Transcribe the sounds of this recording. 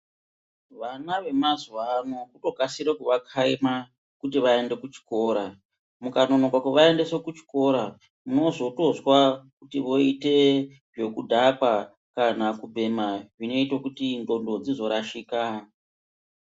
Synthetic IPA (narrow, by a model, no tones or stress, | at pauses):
ʋanaʋe̞mazwano̞kuto̞kasiɾekuʋakʰaima | kut̬iʋae̞nde̞kut͡ʃi̥ko̞ːɾa | mukano̞no̞kwakuʋae̞nde̞se̞kut͡ʃi̥ko̞ɾa | muno̞zo̞to̞zwakutiʋo̞ite̞ | ʐe̞kudʱakwa | kanakubʱe̞maʐino̞itokutindo̞ndo̞d͡zizo̞ɾaʃiːka